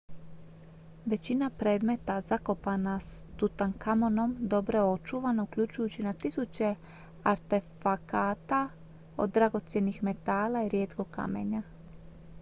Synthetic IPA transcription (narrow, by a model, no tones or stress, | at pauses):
ʋe̞t͡ɕinapɾe̞ːd̪me̞t̪azako̞panast̪ut̪aŋkamo̞no̞md̪o̞bɾoo̞t͡ʃuʋanaukʎut͡ɕujut͡ɕinat̪isut͡ɕe̞ | aɾt̪e̞fakaːt̪a | o̞̰d̪ːɾaɡo̞t̪sje̞nixme̞t̪aːlaiɾje̞ːt̪ko̞ka̰me̞̰ɲa